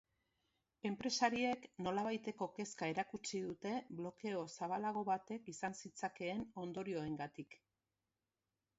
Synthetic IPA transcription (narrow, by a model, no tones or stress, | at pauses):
e̞mpɾe̞saɾie̞kno̞laβ̞ajt̪e̞ko̞ke̞skae̞ɾakut͡siðut̪e̞blo̞ke̞o̞saβ̞alaɣ̞o̞βat̪e̞kisansit͡sake̞ːno̞nd̪o̞ɾio̞e̞ŋɡat̪ik